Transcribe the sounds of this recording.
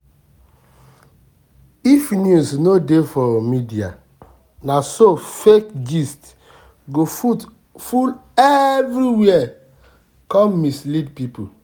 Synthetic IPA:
ifnjusnodefɔmidia̰ | nasofekɡist | ɡo | fulɛvɾiwiɛ | kɔ̃mmislidpipu

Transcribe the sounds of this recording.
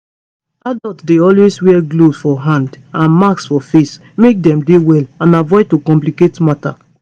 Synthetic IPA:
adɔltdeɔlweswɛɡlosfɔɦãnd | ãnmaksfɔfes | mek̚dɛ̃mdewɛlãnavɔtokɔ̃mpliketmata̰

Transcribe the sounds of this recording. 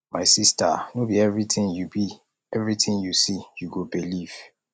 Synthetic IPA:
maɪsista̰nobiɛvɹitɪ̃njubi | ɛvɹitʰɪ̃ŋjusijuɡobiliv̥

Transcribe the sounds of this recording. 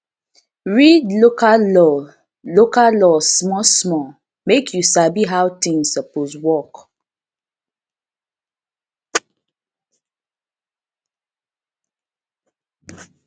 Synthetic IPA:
ɹidlokaɔ | lokalɔsmɔsmɔ | mekʰjusabiɦawtĩŋsəposwɔk

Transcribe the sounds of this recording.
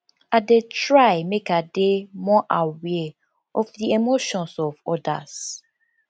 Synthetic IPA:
adetɹaɪmekademɔʔawɛ | ɔfðiemoʃɔ̃nsɔvɔda̰s

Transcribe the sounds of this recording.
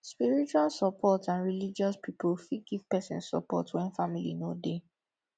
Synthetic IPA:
spiɹit͡ʃualsɔpʰɔtãnɹilid͡ʒɔspipulfiɡiv̥pɛsɛ̰̃nsːɔ̰pɔ̰twɛ̃nfamilḭnode

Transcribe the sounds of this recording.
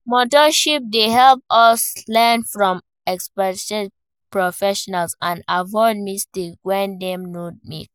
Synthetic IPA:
mɔtɔʃip̚deɦɛlpɔslɛnfɹɔ̃m | ɛkspɛɛd | pɹofɛʃɔnalsãnavɔɪd̚mistikwɛ̃ndɛ̃mnod̚mḭk

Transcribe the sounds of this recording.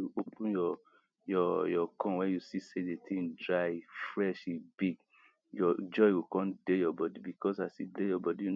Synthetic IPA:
uopũnjɔ | jɔjɔkɔ̃nwɛ̃njusisedetʰĩŋdɹajfɹɛʃibiɡ | jɔd͡ʒɔɪwikɔ̃ndejɔbɔdibikɔsasidejɔbɔdiju

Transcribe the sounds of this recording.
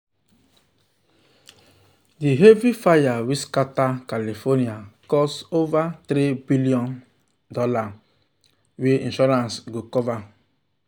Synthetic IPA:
diɦevifajawiskatakalifɔniakɔstovatɾibiliɔ̃n | dɔla | weĩnʃɔɾãnsɡokɔva

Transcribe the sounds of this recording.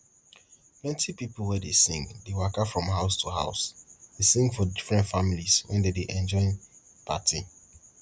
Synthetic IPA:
plɛ̃ntʰipipl̩ˠwɛdesĩŋdewakafɹɔ̃mɦaʊstʰuɦa̰ʊsdesĩŋɡfɔdifɹɛ̃ntfamiliswɛ̰̃ndedeʔɛ̃nd͡ʒɔ̃ɪ̃n | pʰa̰tʰi

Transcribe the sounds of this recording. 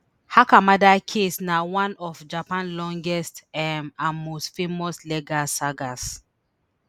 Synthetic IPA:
hakamadakʰisnawãnɔfd͡ʒapãnlɔ̃ŋɡɛstɛmãnmostfemɔslɛɡasaɡas

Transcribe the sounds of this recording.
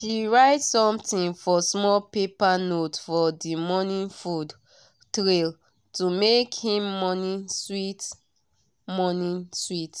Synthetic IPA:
ʃiɹaɪtsɔ̃mtĩnfɔsmɔlpepanotfɔdimɔnĩnfud | tɹel | tumekhĩmːɔnĩswit | mɔnĩswit

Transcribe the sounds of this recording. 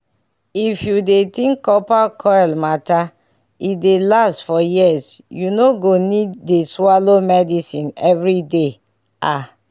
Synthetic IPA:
ifjudetĩŋkːɔpakʰɔjlmata | idelastfɔjisjunoɡonidːeswalomɛdisĩnɛvɹide | a

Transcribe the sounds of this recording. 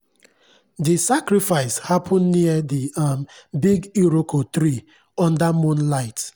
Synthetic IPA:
disakɾifaɪshapʰɔ̃nːiədiambiɡiɾokʰot̪ɾi | ɔ̃ndamõnlaɪt

